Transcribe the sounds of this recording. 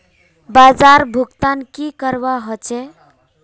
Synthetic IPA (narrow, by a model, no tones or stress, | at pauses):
bad͡ʒaɾbʱuɡt̪ankikəɾbaɦɔt͡ʃʰe